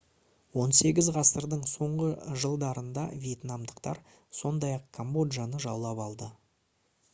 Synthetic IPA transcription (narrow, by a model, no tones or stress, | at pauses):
wo̞nse̞ɡʲɪzʁɑsəɾd̪əɴso̞ɴʁəʒəlˠd̪ɑɾənd̪ɑvije̞t̪nɑmd̪əqt̪ɑɾ | so̞nd̪ɑjɑqkʰombo̞d̪ʒanəʒɑwlˠɑpɑlˠd̪ə